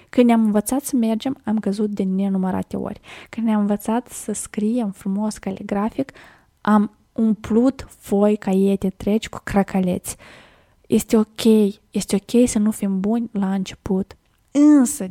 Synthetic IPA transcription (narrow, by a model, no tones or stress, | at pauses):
kɨnd̪nʲamɨnvət̪sat̪səme̞rd͡ʒe̞mamkəzut̪̚d̪ene̞numəɾa̰t̪e̞̰o̰rʲkɨnd̪nʲamɨnvət̪sat̪səskɾijemfɾumo̞skaleɡɾafik | am | unplut̪fo̞jkajet̪et̪ɾet͡ʃʲku̥kɾakale̞̰t̪sʲ | jest̪eo̞kʲʰe̞jjest̪eo̞kʲe̞jsənufimbunʲlaɨnt͡ʃe̞put̪ | ɨnsə